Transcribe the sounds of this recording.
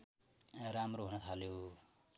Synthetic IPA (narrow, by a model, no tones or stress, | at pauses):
ramroɦunʌt̪ʰaljo